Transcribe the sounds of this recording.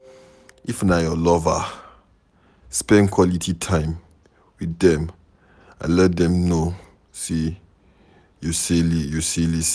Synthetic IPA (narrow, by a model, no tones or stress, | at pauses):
ʔifnajɔlɔva | spɛ̃nkʰwɔlitʰitʰãɪ̃m | widɛ̃m | ã̰lɛt̚dɛ̃mno | se | juselijuselis